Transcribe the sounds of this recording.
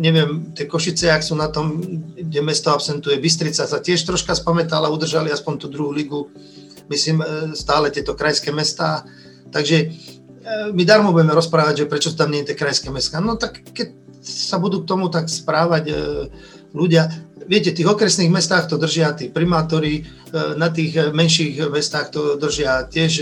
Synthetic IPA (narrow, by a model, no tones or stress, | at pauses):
ɲɛʋɪɛmt̪ɪɛkɔʃit͡sɛaksuːnat̪ɔmɟɛmɛst̪ɔapsɛnt̪ujɛbis̬t̪ɾit͡sasatɪɛʃt̪ɾɔʃkaspamɛt̪alaud̪r̩ʒaliaspɔɲt̪uːd̪ɾuɦuːliɡu | misliːmst̪aːlɛt̪ɪɛt̪ɔkɾajskɛːmɛst̪aː | t̪aɡʒɛ | mid̪aɾmɔbuɟɛmɛɾɔspɾaːʋaɟʒɛpɾɛt͡ʃɔst̪amɲɛɛt̪jɛkɾajskɛmɛskaːnɔt̪akːɛc̚sabud̪uːk̚t̪ɔmut̪akspɾaːʋaɟ | luɟɪaʋɪɛcɛt̪iːɣɔkɾɛsniːɣmɛst̪aːxt̪ɔd̪r̩ʒɪat̪iːpɾimaːt̪ɔɾi | nat̪iːɣmɛnʃiːɣmɛst̪aːxt̪ɔd̪r̩ʒɪacɪɛʃ